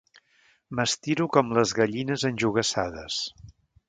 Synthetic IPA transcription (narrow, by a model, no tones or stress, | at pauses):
məst̪iɾukɔmləzɣəʎinəzənʲʒuɣ̞əsaðəs